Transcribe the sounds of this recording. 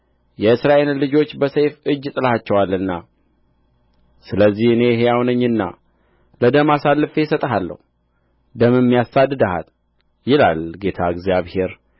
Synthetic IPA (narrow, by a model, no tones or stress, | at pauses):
jɛɨsɾaʔe̞llɨd͡ʒo̞t͡ʃːbəsəjfɨd͡ʒːt̪ʼɨlhat͡ʃːɛwalːɨnːa | sɨləzːihɨne̞ɦejawnəɲːɨnːa̰ | ləd̪əmasalːɨfesət̪ʼəɦalːə̰hu | d̪əmɨmːijasad̪ɨd̪aha̰l | jɪla̰lɡe̞t̪ʰaɡzijaβhe̞ɾ